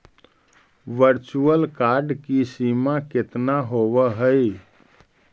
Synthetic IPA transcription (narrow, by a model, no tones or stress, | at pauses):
ʋəɾt͡ʃuəlkaɾɖkisimaket̪naɦoβəɦəj